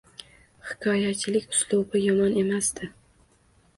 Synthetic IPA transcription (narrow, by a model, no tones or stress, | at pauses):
hɪ̥kʲʰɒjat͡ʃʰɪlɪkʲʊ̥slˠubɪjɒmɒne̞masd̪ɪ